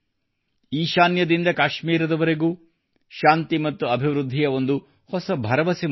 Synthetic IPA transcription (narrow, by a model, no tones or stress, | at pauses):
iːʃaːnjɐd̪ind̪ɐkaːʃmiːɾɐd̪ɐʋɐɾe̞ɡuː | ʃaːnt̪imɐt̪ːuɐbʱiʋɾud̪ʱːijɐo̞nd̪u | hɔsɐbʱɐɾɐʋɐsi